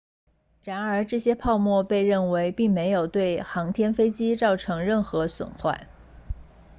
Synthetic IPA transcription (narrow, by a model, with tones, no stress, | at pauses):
ɻa˧˥nə˞˧˥ʈ͡ʂɤ˥˩ɕjɛ˥pʰɑ˥˧ʊmwɔ˥˧pe˥˧ɪɻə˥˩nwe˧˥ɪpi˥˩ŋme˧˥ɪjo˨˩ʊt̪we˥˩ɪxɑ˧˥ŋt̪ʰjɛ˥nfe˥ɪt͡ɕi˥t͡sɑ˥˩ʊʈ͡ʂʰɤ˧˥ŋɻə˥˩nxɤ˧˥swə̰˨˩nxwa̰˥˩ɪ